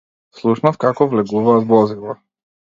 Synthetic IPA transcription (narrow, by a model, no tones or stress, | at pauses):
slˠuʃnafkakɔvlɛɡuvaːt̪bˠɔzilˠa